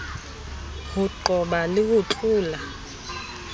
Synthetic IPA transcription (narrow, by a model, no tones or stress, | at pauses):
huǃɔɓalik̬uǁʼuːla